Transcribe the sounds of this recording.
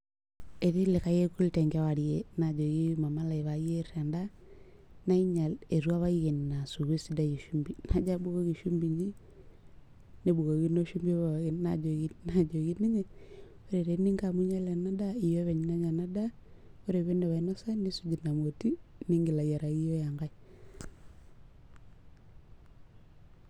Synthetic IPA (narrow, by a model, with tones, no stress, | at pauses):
e˨ti˦lɪ˨ka˦je˦ku˦lte˨ŋɡa˦wa˨ɾjena˨d͡ʒo˨ɡi˦ma˨ma˦la˨i˨βa˨je˦ɾa˨nda˦ | na˦i˦ɲa˨le˨ɾu˦a˦βa˦i˦ɣe˨nna˨su˨ɣe˦si˦da˦ji˨ʃu˦mbi˨na˦d͡ʒa˦bu˦ɣo˦ɣi˨ʃu˦mbi˨ɲi˦ | ne˨bu˨ɣo˨ɡi˦no˦ʃu˦mbi˦βa˨a˨ɣi˨nna̰˦d͡ʒo˨ɡi˦na˨d͡ʒo˨ɡi˦ni˦ɲɛ˦ | o˦ɾe˨ɾe˨ni˦ŋka˨mu˦ɲa˦la˨na˦da˦i˨jo˦βɛ˨ɲ˨na˦ɲa˨na˦da˦o˦ɾe˨βe˦ndɛ˨βa˨i˨˦na˦sa˦ni˦su˦d͡ʒi˨na˨mo˨ti˦ni˦ŋɡi˨la˨ja˨ɾa˨ɡi˦jɔ˦ja˨ŋɡa˦i